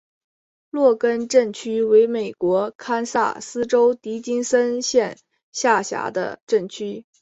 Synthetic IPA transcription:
lwɔ˥˩kə˥nʈ͡ʂə˥˩nt͡ɕʰy˥we˧˥ɪme˨˩ɪkwɔ˧˥kʰa˥nsa̰˥˩sɹ̩˥ʈ͡ʂo˥ʊt̪i˧˥t͡ɕi˥nsə˥nɕjɛ˥˧n | ɕja˥˩ɕja̰˧˥d̪ə̰˧ʈ͡ʂə˥˩nt͡ɕʰy˥

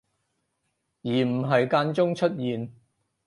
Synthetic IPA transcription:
jiː˨˩m̩˨˩ɦɐ˨jkaː˧nt͡sʊ˥ŋt͡ʃʰɵ˥t̚jiː˨n

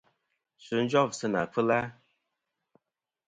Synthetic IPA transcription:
su˨˦n̩˦d͡ʒɔ˦˨vsɨ˦na̰˨fɨ˦la˦

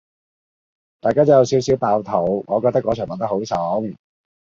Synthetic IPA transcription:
t̪aː˨kaː˥t͡sɔ˨˧˥jwsi˨˥wsi˨˥wpaː˧wt̪ʰo˨˩wŋɔː˨˧kɔː˧k̚t̪ɐ˥kːɔː˨˥t͡ʃʰœː˨˩ŋmɐ˨˥nt̪ɐ˥kho˨˥wsɔ˨˥ŋ

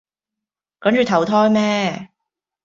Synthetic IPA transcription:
kɐ˨˥nt͡ʃyː˨˧t̪ʰɐ˨˥wt̪ʰɔː˥jmɛː˥

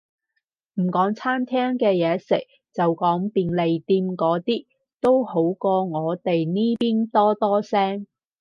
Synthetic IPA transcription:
m̩˨˩kɔː˨˥ŋt͡sʰaː˥mt̪ʰɛː˥ŋkɛː˧jɛː˨˧sɪ̰˨˩k̚ | t͡sɐ˨wkɔː˨˥ŋpiː˨nle˨jt̪iː˧mkɔː˨˥t̪iː˥ | t̪o˥who˨˥wkɔː˧ŋɔː˨˧t̪e˨jniː˥piː˥nt̪ɔː˥t̪ɔː˥sɛː˥ŋ

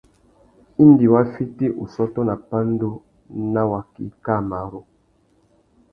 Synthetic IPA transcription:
i˦n˦di˨wa˦fi˦ti˦ʔo˨sɔ˦tɔ˦na˨pa˦n˦do˦ | na˦wa˨kḭ˦ka˦˨ma˨ɾo˦

